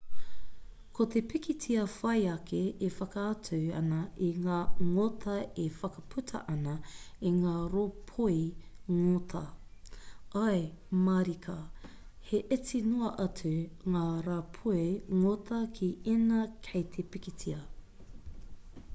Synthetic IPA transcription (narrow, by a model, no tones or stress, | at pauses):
kʰot̪ʰepikitʰiɐfɐjɐkʰeːfɐkɐɐtʰuwɐ̰nɐiŋaːŋotʰɐefɐkɐpʰʉtʰɐ̰ʔɐnɐ | iŋaːɾopʰoiŋotʰɐ | ɐjmɐɾikʰɐ | heʔet͡sinuɐʔɐtuŋaːɾapʰueŋotʰɐkʰiinɐkʰɐjt̪ʰepikitʰiɐ